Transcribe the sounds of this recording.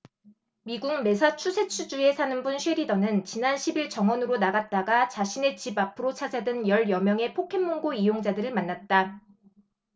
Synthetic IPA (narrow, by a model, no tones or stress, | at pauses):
miɡuŋme̞sʰat͡ɕʰusʰe̞t͡ɕʰud͡ʑue̞sʰanɯnbunɕʰɥweɾidʌnɯnt͡ɕinanɕʰibiɭt͡ɕʌŋwʌnɯɾonaɡat̚t͈aɡat͡ɕaɕʰine̞t͡ɕibapʰɯɾot͡ɕʰad͡ʑadɯnjʌɭjʌmjʌŋe̞pʰokʰe̞nːoŋɡoijoŋd͡ʑadɯɾɯɭmanːat̚t͈a